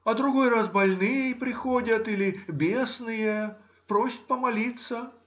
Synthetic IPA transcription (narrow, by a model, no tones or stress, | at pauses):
ɐd̪ɾʊɡo̞jrasbɐlʲnɨjpɾʲɪxodʲət̪ilʲɪbʲesnɨje | pɾosʲɪ̥t̪̚ʲpəmɐlʲit̪sə